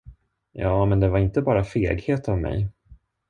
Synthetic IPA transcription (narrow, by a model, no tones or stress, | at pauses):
jɑːmɛnd̪ɛvaɾɪnt̪əbɑːɾafeːɡheːt̪avmɛ̰j